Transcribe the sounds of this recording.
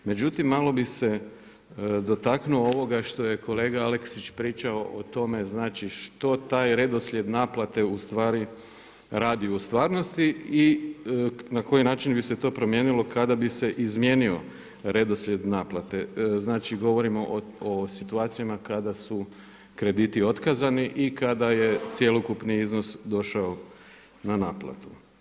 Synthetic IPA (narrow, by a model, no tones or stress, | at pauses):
me̞d͡ʒut̪imːalˠo̞bise̞ | d̪o̞t̪aknuooʋo̞ɡaʃt̪o̞je̞kʰo̞le̞ːɡaaleksit͡ʃpɾiːt͡ʃaoʔot̪o̞me̞znaːt͡ʃiʃt̪o̞t̪aːjɾe̞d̪osʎʲe̞d̪naːplˠat̪e̞ust̪ʋaːɾi | ɾaːd̪iust̪ʋaːɾno̞st̪ii | nako̞jinaːt͡ʃinbiset̪o̞ːpɾo̞mjeːnilˠo̞kad̪abise̞ʔizmje̞nio̞̰ | ɾe̞d̪o̞slʲe̞d̪naːplˠat̪e̞znaːt͡ʃiɡo̞ʋo̞ɾimo̞ʔosit̪uaːt̪sijamakad̪asu | kɾe̞d̪iːt̪io̞t̪kazaniʔikad̪aje̞t̪sjelokupniizno̞sd̪o̞ʃao | nanaːplˠa̰t̪u̥